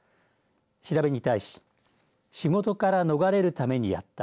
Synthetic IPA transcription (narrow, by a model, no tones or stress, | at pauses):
ɕiɾabe̞ɲ̟it̪aiɕi̥ | ɕiɡo̞t̪o̞kaɾano̞ɡaɾe̞ɾɯ̟t̪ame̞ɲ̟ija̰t̪ːa